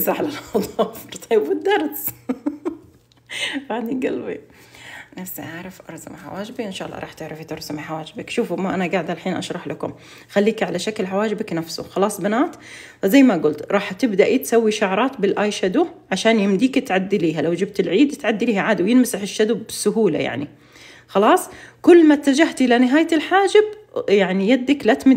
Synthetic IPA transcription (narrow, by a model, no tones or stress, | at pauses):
zaħlalxɑd̪ˤɑfɾt̪ʰˤɑjːbɪd̪ːɑɾˤs | ɾaʕd̪iɡalwi | nafsːʔaʕɾˤɪfʔɑ̰ɾˤsa̰mħa̰waːd͡ʒɪbiʔɪnʃaːʔɑlˤːɑ̰ɾˤɑːħt̪ɪʕɾˤɑfit̪ɑɾˤsamiħawaːd͡ʒɪbɪkʃuːfmaʔanaɡaʕd̪alħiːnʔɑ̰ʃɾˤɑħlakʊm | xalːiːkʕalaʃaklɦawaːd͡ʒɪbaknafsʊ̰xɑlɑːsˤbanaːt̪ | zajːmaɡʊlt̪ɾˤɑːħt̪ɪbd̪aʔit̪sawːiʃaʕɾˤɑːt̪bɪlʔaːjʃad̪uʕaʃaːnjɪmd̪iːkɪt̪ʕad̪ːiliːɦalawd͡ʒɪb̚t̪ɪlʕiːd̪t̪ʕad̪ːiliːhaʕaːd̪awjɪnmɪsahɪʃːad̪ʊbbɪsʊɦuːla̰ja̰ʕni | xɑlɑːsˤkʊlːmat̪ːad͡ʒaht̪ʔɪlanɪɦaːj̪ɪlħaːd͡ʒɪb̚jaʕnijad̪ːaklat̪mɪ